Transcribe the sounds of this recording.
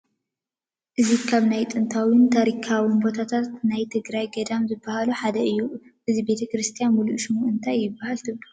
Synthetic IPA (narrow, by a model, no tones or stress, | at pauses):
ʔɨzikʰaβnajt̪ʼɨnt̪ʰawint̪ʰaɾikʰawinbo̞t̪ʰat̪ʰat̪najt̪ʰɨɡɾajɡɐd̪amzɨbːahaluħad̪ɐʔɨjːuʔɨzibe̞t̪ʰɐkɾɨst̪ʰijanmuluʔʃɪmuɨnt̪ʰajːɪbːahalt̪ʰɨβlɐu